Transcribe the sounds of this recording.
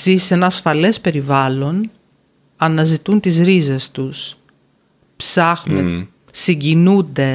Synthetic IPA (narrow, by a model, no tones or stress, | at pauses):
zisenɐːsfɐle̞spe̞ɾivɐlo̞n | ɐnɐzit̪unt̪izɾize̞st̪us | psɐxum | siɲɟinund̪e̞